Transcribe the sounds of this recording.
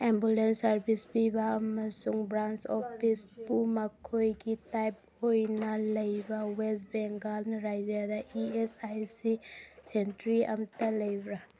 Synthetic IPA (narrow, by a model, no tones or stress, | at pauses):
embulensɐɾbʰʱispibaːmɐsuŋbɾant͡ʃɔpʰispumakʰːojɡitajp̚ | ojnɐlɐjbawesbɛŋɡalnɾajd͡ʒad̪aʔiesajsisentɾiɐ̰mt̪ɐlɐjbɾa